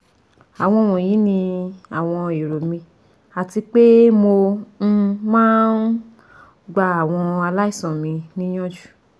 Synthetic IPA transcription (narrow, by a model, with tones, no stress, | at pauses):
a˨w̃ɔ̃˧˨w̃ɔ̃˨jĩ˨˦nĩ˧a˨w̃ɔ̃˧e˨ɾo˨mĩ˧ | a˨ti˧k͡pe˦mo˧˦˧ | mãː˦n | ɡ͡ba˧a˨w̃ɔ̃˧a˧la˦i˦˨sɔ̃˨mĩ˧nĩ˦j̃ɔ̃˦d͡ʒu̥˦˨